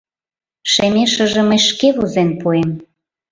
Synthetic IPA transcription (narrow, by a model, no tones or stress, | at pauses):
ʃemʲeʃə̆ʒə̆məjʃkeβuzenpuem